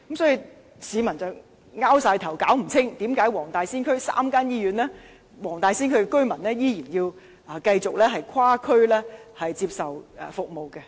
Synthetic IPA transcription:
kmsɔː˨˥ji˨˧ | siː˨˧mɐ˨˩nt͡sɐ˨w | ŋaː˥wsaː˧jt̪ʰɐ˨˩wkaː˨˥wm̩˨˩t͡sʰɪ˥ŋt̪iː˨˥mkaː˨˥jwɔː˨˩ŋt̪aː˨jsiː˥nkʰɵ˥ɥsa̰ː˥mkaː˥njiː˥jyː˨˥nɛː˥ | wɔː˨˩ŋt̪aː˨jsiː˥nkʰɵ˥kɛ˧kɵ˥ɥmɐ˨˩nlɛː˥jiː˥jiː˨˩njiː˧w | ɐ˨kɐ˧jt͡sʊ˨k̚lɛː˥ɦɐ˨jkʰwaː˥kʰɵ˥ɥlɛː˥hɐ˨jt͡siː˧p̚sɐ˨wɛ˨˩fʊ˨k̚mo˨wkɛ˧

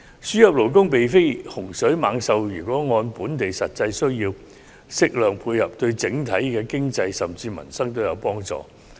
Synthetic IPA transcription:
syː˥jɐ˨p̚lo˨˩wkʊ˥ŋpe˨jfe˥jhʊ˨˩ŋsɵ˨˥ɥmaː˨˧ŋsɐ˨wjyː˨˩kʷɔː˨˥ŋɔː˧npuː˨˥nt̪e˨jsɐ˨t̚t͡sɐ˧jsɵ˥ɥjiː˧w | sɪ˥k̚lœː˨ŋpʰuː˧jhɐ˨p̚t̪ɵ˧ɥt͡sɪ˨˥ŋt̪ʰɐ˨˥jkɛː˧kɪ˥ŋt͡sɐ˧jsɐ˨mt͡siː˧mɐ̰˨˩nsɐ˥ŋt̪o˥wjɐ˨˧wpɔː˥ŋt͡sɔ̰ː˨

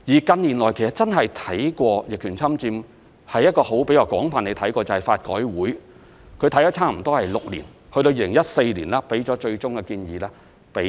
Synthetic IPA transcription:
jiː˨˩kɐ˧nliː˨˩nlɔː˨˩jkʰe˨˩sɐ˨˩tt͡sɐ˥nɦɐ˨jt̪ʰɐ˨˥jkʷɔː˧jɪ˨kʰːyː˨˩nt͡sʰɐ˥mt͡siː˧m | hɐ˨jːɐ˥t̚kːɔː˧ho˨˥wpe˨˥jkaː˧wkɔː˨˥ŋfaː˨ne˨˧jt̪ʰɐ˨˥jkɔː˧t͡sɐ˨hɐ˨˩jfaː˧t̚kɔ̰ː˨˥jwuː˨˥j | kʰɵ˨˧ɥt̪ʰɐ˥jɐ˨˥t͡sʰaː˥m̩˨˩t̪ɔː˥hɐ˨˩jlʊ˨k̚lḭ˨˩n | hɵ˧ɾo˧ji˧lɪ˨ŋjɐ˥t̚se˧jliː˨˩nlɛː˥pe˨˥jt͡sɔː˨˥t͡ʃɵ˧ɥt͡ʃʊ˥ŋkɛ˧kiː˧njiː˨˧lɛː˥ | pe˨˥

